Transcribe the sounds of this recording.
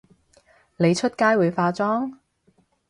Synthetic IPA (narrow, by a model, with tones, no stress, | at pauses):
le˨˧jt͡ʃʰɵ˥t̚kaː˥jwuː˨˧jfaː˧t͡ʃɔː˥ŋ